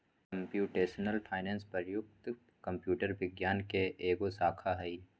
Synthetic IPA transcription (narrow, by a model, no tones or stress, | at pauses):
kɐmpjuːʈeːsnəlpʰaːɪnɛ̃ːnspɐɾjʊk̚t̪ | kɐ̃mpjuːʈəɾbɪɡjaːnkeʔeːɡosaːkʰaɦɐi